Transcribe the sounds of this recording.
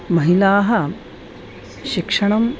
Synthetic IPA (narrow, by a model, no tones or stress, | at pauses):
mɐɦilaːɦɐ | ʃikʂɐɳɐm